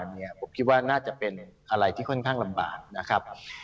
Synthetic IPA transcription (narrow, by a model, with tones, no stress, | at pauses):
ni˧˥˩ɐpʰo˨˩˦mkʰi˦t̪̚waː˥˩naː˥˩t͡ɕa˨˩pe˧nʔa˧ɾa˧jt̪ʰiː˥˩o˥˩nkʰaː˥˩ŋla˧mba̰ː˨˩t̪̚na˦˥kʰa˦˥p̚